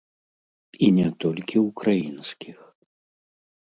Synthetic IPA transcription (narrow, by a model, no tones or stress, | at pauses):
inʲɛt̪ɔlʲkʲiwukɾajinskʲix